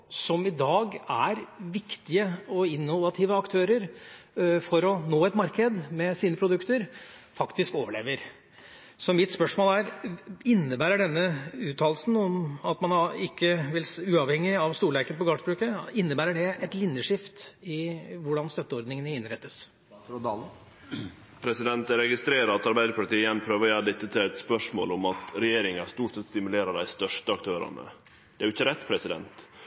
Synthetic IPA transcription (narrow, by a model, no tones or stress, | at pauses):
sɔmɪd̪ɑːɡæɾʋɪkt̪ɪəɔɪnːʊʋɑt̪ʰɪʋəɑkt̪ʰøːɾəɾ | fɔɾɔnoːɛt̪mɑɾkəd̪mɛsiːnəpʰɾʊd̪ʉkt̪əɾfɑkt̪ɪskoːʋəɭḛːʋəɾ | sɔmɪt̪spœʂmoːlæɾɪnːəbæːɾəɖɛnːəʉːt̪ʰːɑːlsn̩ɔmɑt̪mɑnɑɪkːəʋɪlsʉːɑʋhɛŋːɪɑʋst̪uːɭæɪkənəpɔɡɑːʂbɾʉːkəɪnːəbæːɾəɖɛɛt̪lɪnjəʂɪft̪ɪʋʊɖɑnst̪œt̪ːəɔɾd̪nɪŋənəɪnɾɛt̪ːəs | d̪ɑl | pʰɾɛsɪd̪ɛnt̪ɾɛɡɪst̪ɾeːɾəɑt̪ɑɾbæɪd̪əpʰɑʈiːɪənpʰɾøːʋəɾɔjæd̪ɛt̪ːət̪ʰɪlɛt̪spœʂmo̰ːlɔmɑt̪ɾɛjeːɾɪŋɑst̪uːʈsɛt̪st̪ɪmʉleːɾəɖæ̰ɪst̪œʂʈəɑkt̪ʰøːɾɑ̰nə̰ | d̪ɛæɾjʊɪçːəɾɛt̪ːpʰɾɛsɪd̪ɛ̰nt̪